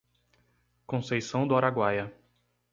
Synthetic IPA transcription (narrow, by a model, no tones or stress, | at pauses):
kõsejsɐ̃w̃d̪ʊɔɾaɡwajɐ